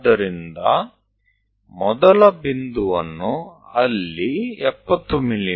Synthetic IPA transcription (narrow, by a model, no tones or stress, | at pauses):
d̪ɐɾind̪ɐ | mɔd̪ɐlɐbind̪uʋɐ̰nːuɐlːiɛpːɐt̪ːumilːi